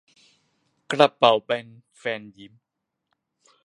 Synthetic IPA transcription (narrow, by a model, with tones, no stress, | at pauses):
kɾa˧˩pːa˨˩wbɛ˧nfɛː˧nji˨˦m